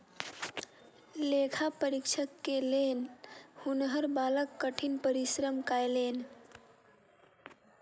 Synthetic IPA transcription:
lekʰapəɾikt͡ʃʰəkːelenhunɦəɾbaləkːəʈʰinpəɾisɾəmkaelen

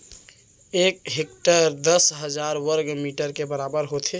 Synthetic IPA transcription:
ek̚ɦekʈəɾd̪əsɦəd͡ʒaɾwəɾɡmiʈəɾkebəɾabəɾɦot̪ʰe

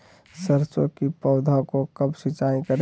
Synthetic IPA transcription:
səɾsõkipɔʊd̪ʱakokɐbsɪt͡ʃaːĩkəɾ

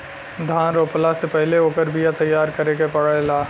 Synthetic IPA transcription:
d̪ʱãːnɾoːpəlasepɛɦleoːkəɾbʱijat̪ɐjːaːɾkɐɾekepəɽəelaː

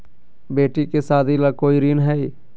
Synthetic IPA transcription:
beːʈikesaːd̪ʱilakoːiɾinɦɛi

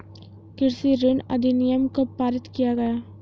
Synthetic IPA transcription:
kɪɾsiɾɪɳɐ̰d̪inɪjɐmkəpaːɾɪt̪kɪjaːɣɐ

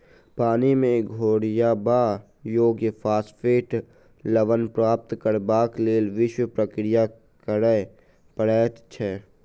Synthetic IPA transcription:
paːnimẽɡʱoːɽɪjabaː | joːɡjəpʰaːspʰeːʈ | ləʋənpɾaːp̚t̪kəɾbaːkleːlʋɪʃwəpɾəkɾɪja | kəɾə | pəɽɛːt̪t͡ʃʰɛː

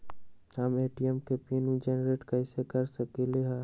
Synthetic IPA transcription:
ɦəmeːʈiɛmkepiːnũd͡ʒenɾeːʈkaɪsekəɾsəkeleɦa

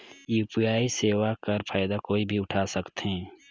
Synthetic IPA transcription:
iʊpjaːiseːwakɐɾpʰaːjd̪akoːibʱiʊʈʰaːsəkt̪ɦɛ̃ː

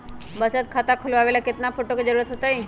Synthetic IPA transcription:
bəsət̪̚kʰat̪akʰəloaʋelaket̪nafoʈoked͡zəɾuɾət̪ɦot̪ai

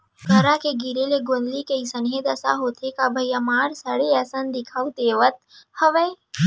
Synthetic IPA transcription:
ɡʱəɾakeɡiɾeleɡonlikeisənɦed̪ɐsa̰ɦoːt̪ʰekabʱɐjamaːɾsəɽeəsənd̪ɪkʰaːut̪eːʋət̪̚həʋe

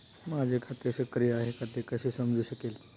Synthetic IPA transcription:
mad͡zʱekʰat̪eəsəkɾijəaɦekat̪ekəɕesəmd͡zʱuːɕəkel

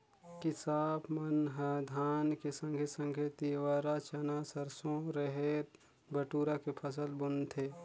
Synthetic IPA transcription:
kɪsaːbmənɦəd̪ʱaːnkesə̃ŋɡʱesə̃ŋɡʰʱet̪iʋaːɾat͡ʃɐnasəɾsõɾeɦeːɾ | bəʈuːɾakepʰəs̬əlbʊnt̪ʰeː

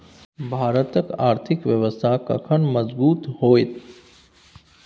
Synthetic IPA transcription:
bʱaːɾət̪əkaːɾt̪ʰɪkʋjəʋəst̪ʰakɐ̰kʰəɳmɐzbuːt̪ɦoːet̪

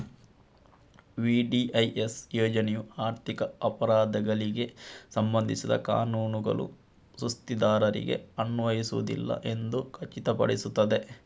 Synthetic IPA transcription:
ʋiːɖiʔɐjʔesjɔːd͡ʒɐnejuaːɾt̪ʰikɐɐpɐɾaːd̪ɐɡɐɭiɡe̞sɐmbɐnd̪ʱisid̪ɐ̰ka̰ːnuːnuɡɐ̰lṵ | sust̪id̪aːɾɐɾḭɡe̞̰ɐnːʋɐjisuʋud̪ḭlːɐ̰ʔe̞nd̪ukʰɐt͡ʃit̪ɐpɐ̰ɽisut̪ːɐd̪e̞

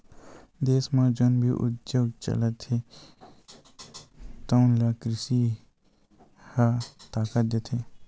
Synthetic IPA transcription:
d̪eːsmãd͡ʒonbʱḭʔʊ̰t̪d͡ʒoɡt͡ʃə̰lət̪ʰe | t̪ɔʊnlakɾɪsi | hat̪aːkət̪̚d̪et̪ʰeː

